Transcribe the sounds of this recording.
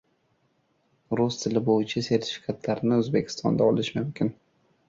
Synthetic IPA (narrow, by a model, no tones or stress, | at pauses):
ɾʊst̪ʰɪlɪbojɪt͡ʃʰase̞ɾt̪ʰɪ̥fɪ̥kʰat̪ʰlaɾɪnɪɵzbekʲʰɪ̥st̪ɒ̰nd̪aɒlɪʃmʊmkʲʰɪn